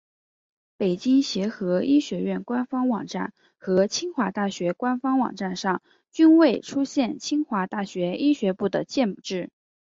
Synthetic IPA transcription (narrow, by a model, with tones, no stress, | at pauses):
pe˨˩ɪt͡ɕi˥ŋɕjɛ˧˥xɤ˧˥i˥ɕɥɛ˧˥ɥɛ˥˩nkwa˥nfɑ˥ŋwɑ̰˨˩ŋʈ͡ʂa˥˩n | xɤ˧˥t͡ɕʰi˥ŋxwa˧˥t̪a˥˩ɕɥɛ˧˥kwa˥nfɑ˥ŋwɑ̰˨˩ŋʈ͡ʂa˥˧nʂɑ˥˩ŋ | t͡ɕy˥nwe˥˩ɪʈ͡ʂʰu˥ɕjɛ˥˩nt͡ɕʰi˥ŋxwa˧˥t̪a˥˩ɕɥɛ˧˥i˥ɕɥɛ˧˥pu˥˩d̪ə˩t͡ɕjɛ˥˩npu˨˩ʈ͡ʂɻ̩˥˩